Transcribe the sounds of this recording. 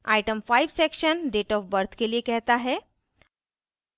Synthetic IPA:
ajʈəmfaiʋsekʃənɖeʈɔfbəɾt̪ʰkeliekɛɦt̪aɦɛ

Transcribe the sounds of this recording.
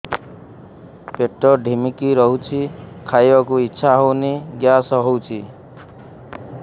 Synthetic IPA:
peʈːɔɖʱimikiɾʌɦut͡sʰikʰajʌkuitːsʰaɦowniɡjasʌɦowt͡sʰi

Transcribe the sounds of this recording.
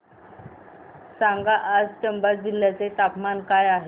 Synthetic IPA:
saŋɡaʔːd͡zt͡ɕəmbad͡ʑil̤ːjat͡set̪apmankajaɦe

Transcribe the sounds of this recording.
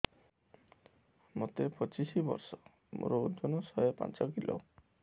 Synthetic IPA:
mot̪epɔt͡ʃisibɔ̰ɾsɔ̥ | mɾod͡ʒonɔsɔepa̰nt͡ʃɔkilɔ̰

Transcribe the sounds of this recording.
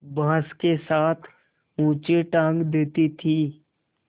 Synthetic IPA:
bãːskesaːt̪ʰ | ũːt͡ʃeʈãːŋɡd̪eːt̪it̪ʰiː

